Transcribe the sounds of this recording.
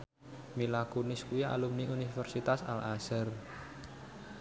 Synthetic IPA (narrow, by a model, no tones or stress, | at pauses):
milakunɪskuia̰lumniunifɛrsit̪asa̰lasər